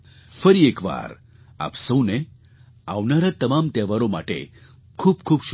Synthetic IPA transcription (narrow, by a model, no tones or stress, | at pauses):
fəɾiekʋa̰ɾ | a̰psə̃wne | a̰ʋnaɾat̪əmamt̪eʋaɾoma̰ʈḛ | kʰuːbkʰuːbʃ